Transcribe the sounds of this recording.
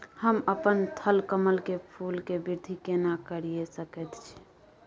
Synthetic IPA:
həməpənt̪ʰəlkəməlkepʰulkebiɾd̪ʱikenakəɾijesəkɛt̪t͡ʃʰi̥

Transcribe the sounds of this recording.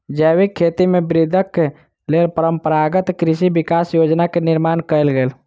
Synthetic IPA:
d͡ʒəwikʰːet̪imebɾid̪ʱəkːe | lelpəɾəmpəɾaɡət̪kɾisibikasjod͡ʒnakeniɾmankəlɡel

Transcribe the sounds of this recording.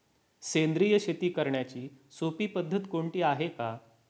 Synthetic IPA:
send̪ɾijəɕet̪iːkəɾɳjat͡ɕiːsopiːpəd̪ʱːət̪koɳʈiːaɦeka

